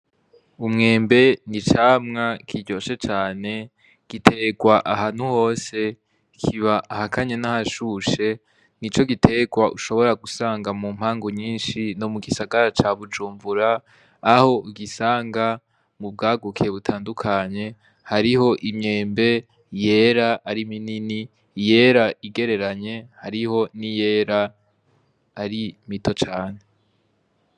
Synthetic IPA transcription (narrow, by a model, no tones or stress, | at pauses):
umŋe̞ːmbe̞nit͡ʃaːmŋakʰiɟo̞ʃe̞t͡ʃaːne̞ | ɡ̥itʰe̞ɡwaʔaɦaːn̥huho̞ːse̞ | kʰiβaʔːhakʰaɲenahaʃuʃe̞ | nit͡ʃo̞ɡitʰe̞ɡwaʔuʃo̞βo̞ɾaɡusaːŋɡamuːm̥haːŋɡoɲiːnʃino̞muɡisaɡaɾat͡ʃaβud͡ʒuːmvuɾaː | ho̞ɡisaːŋɡa | mub̚ɡaːɡukʰieβutʰaːndukʰaɲe̞ | haɾiho̞ʔimɲe̞ːmbe̞ | je̞ːɾaaɾiminini | je̞ɾaʔiɡe̞ɾe̞ɾaɲe̞haɾiho̞nije̞ːɾa | ɾimito̞t͡ʃaːn̥e̞